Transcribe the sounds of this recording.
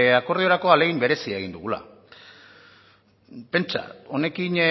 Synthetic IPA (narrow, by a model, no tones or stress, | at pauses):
ako̞ɾðio̞ɾako̞ale̞ɣ̞imbe̞ɾe̞siaeɣ̞ind̪uɣ̞ula̰ | pe̞nt͡ʃa̰o̞ne̞kin